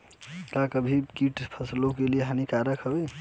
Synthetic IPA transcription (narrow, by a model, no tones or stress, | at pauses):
kakəbʱikiʈpʰəslokelieɦanikaɾəkʰɦəbɛ